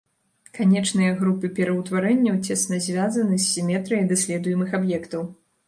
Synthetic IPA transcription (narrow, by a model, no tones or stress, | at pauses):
kanʲɛt͡ʂnɨjɐɣɾupɨpʲɛɾɐwt̪vaɾɛnʲːɐwt͡sʲɛsnɐzʲvʲazɐnɨsʲːimʲɛt̪ɾɨjɐd̪asʲlʲɛd̪ujɛmɨxabjɛkt̪ɐw